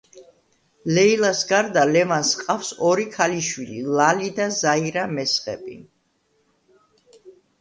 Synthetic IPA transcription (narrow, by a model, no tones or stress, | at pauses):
lɛilˠasɡaɾd̪alɛvansqʼafsɔɾikʰaliʃwililˠalid̪azaiɾamɛsχʼɛ̰bʼḭ